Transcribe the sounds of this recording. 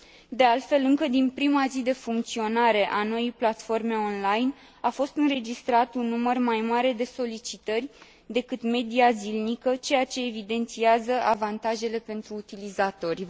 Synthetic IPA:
d̪e̞alt̪fe̞lɨŋkəd̪inpɾimazid̪e̞fuŋk̚t̪sio̞naɾe̞ʔano̞jijplat̪fo̞rme̞o̞nlajn | afo̞st̪ɨnɾe̞d͡ʒist̪ɾat̪unːumərmajmaɾe̞d̪e̞so̞lit͡ʃit̪ərʲ | d̪e̞kɨt̪me̞d̪iazilnikət͡ʃe̞jat͡ʃe̞ːvid̪e̞nt̪siazəʔavant̪aʒe̞le̞pe̞nt̪ɾuːt̪ilizat̪o̞rʲ

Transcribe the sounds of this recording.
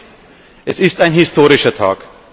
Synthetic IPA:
ʔɛsɪstaɪnɦɪstʰoːʁɪʃɐtʰa̰ːk

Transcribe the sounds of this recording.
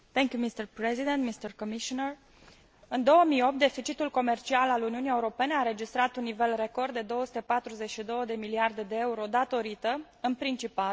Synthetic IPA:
t̪ɛŋkʲjumist̪ərpɾezid̪ent̪mist̪ərkomiʃonər | ɨnd̪o̞wəmijo̞p̚t̪̚d̪e̞fit͡ʃit̪ulko̞me̞rt͡ʃialaluniunijeuɾo̞pe̞neaɾe̞d͡ʒist̪ɾat̪unːive̞lre̞ko̞rd̪ːe̞d̪o̞wəsu̥t̪e̞pat̪ɾuze̞t͡ʃʃid̪o̞wəd̪e̞miliard̪e̞d̪e̞euɾo̞d̪at̪o̞ɾit̪ə | ɨnpɾint͡ʃipal

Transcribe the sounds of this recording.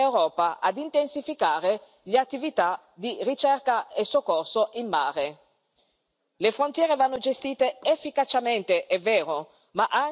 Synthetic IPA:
ewɾɔːpaʔa̰d̪int̪ensifikaːɾe | leat̪ːivit̪a | d̪irit͡ʃɛrkaesokːorsoʔinːaːɾe | lefɾont̪jɛːɾevanːod͡ʒest̪iːt̪eefːikat͡ʃament̪eʔɛvːeːɾo | maʔa

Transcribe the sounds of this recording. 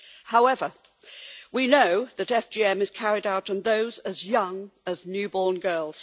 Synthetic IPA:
haʊɛvə | winoʊðɨɾɛfd͡ʒ̥iɛ̃mɨz̥kʰæɹɪɾaʊɾ̃nðoʊzəzjʌ̃ŋəznjʉbɔɹnɡɜːlˠz̥

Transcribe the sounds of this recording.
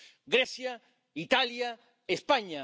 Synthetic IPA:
ɡɾesja | it̪alja | espaɲa

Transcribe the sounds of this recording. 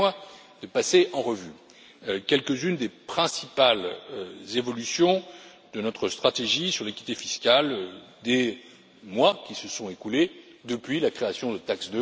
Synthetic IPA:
a | d̪əpaseɑ̃ʁəvy | kʲɛlkəzynd̪epχɛ̃sipalzevɔlysjɔ̃ | d̪ənɔt̪χəst̪χat̪eʒisyʁlekʲi̥t̪efiskald̪e | mwakʲisəsɔ̃ekuled̪əpɥilakχeasjɔ̃d̪ət̪aksd̪ə

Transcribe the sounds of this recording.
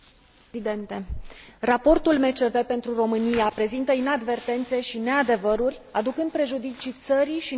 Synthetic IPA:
id̪e̞nt̪e̞rapo̞rt̪ulme̞t͡ʃe̞ve̞pe̞nt̪ɾuro̞mɨnijapɾe̞zint̪əinad̪ve̞rt̪e̞nt̪se̞ʃine̞ad̪e̞vəɾurʲad̪ukɨnd̪̚pɾe̞ʒud̪it͡ʃit̪səɾiʃi

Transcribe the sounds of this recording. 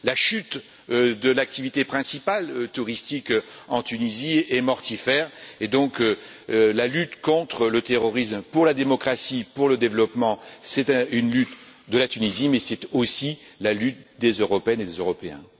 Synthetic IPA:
laʃyt̪ | d̪əlak̚t̪ivit̪epχɛ̃sipalt̪uʁist̪ikɑ̃t̪yniziɛmɔʁt̪ifɛːʁed̪ɔ̃k | lalyt̪kɔ̃t̪χələt̪eʁɔʁismpuʁlad̪emɔkχasipuʁləd̪evlɔpmɑ̃sɛt̪ynlyt̪ | d̪əlat̪ynizimɛsɛt̪osi | lalyt̪̚d̪ezøʁɔpeɛned̪ezøʁɔpeɛ̰̃

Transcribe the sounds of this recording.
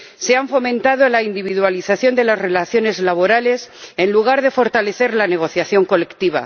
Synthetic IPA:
se̞aɱfo̞mẽnt̪að̞olaind̪iβ̞iðwaliθaθjo̞nd̪e̞lazre̞laθjo̞ne̞zlaβ̞o̞ɾale̞se̞nluɣ̞aɾðe̞fo̞ɾt̪ale̞θe̞ɾlane̞ɣ̞o̞θjaθjo̞ŋko̞le̞kt̪iβ̞a̰

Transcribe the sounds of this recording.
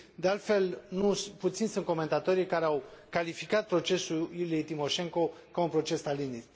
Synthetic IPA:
d̪e̞alt̪fe̞lnuput̪sinsunt̪̚ko̞me̞nt̪at̪o̞ɾijkaɾeawkalifikat̪̚pɾo̞t͡ʃe̞suljulijejt̪imo̞ʃe̞ŋko̞ | kaunpɾo̞t͡ʃe̞st̪alini

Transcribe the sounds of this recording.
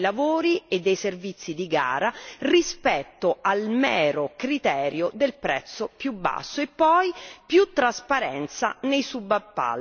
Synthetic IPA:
lavoːɾied̪ːejservit̪sːid̪iɡa̰ːɾarispɛt̪ːoalmɛːɾokɾit̪ɛːɾjod̪elpɾɛ̰t̪sːopjubːa̰sːoepːɔjpjut̪ːɾaspaɾɛnt̪sa̰nejsubːapːa̰l

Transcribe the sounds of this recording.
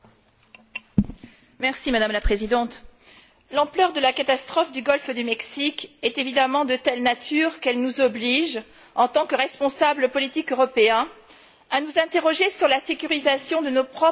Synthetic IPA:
mɛʁsimad̪amlapχezid̪ɑ̃t̪ | lɑ̃plœʁd̪əlakat̪ast̪χɔfd̪yɡɔlfd̪ymɛksikɛt̪evid̪amɑ̃d̪ət̪ɛlnat̪ʰyʁkɛlnuzɔbliʒ | ɑ̃t̪ɑ̃kəʁɛspɔ̃sabləpɔlit̪ikøʁɔpeɛ̃ | anuzɛ̃t̪eʁɔʒesyʁlasekʲyʁizasjɔ̃d̪ənopχɔ

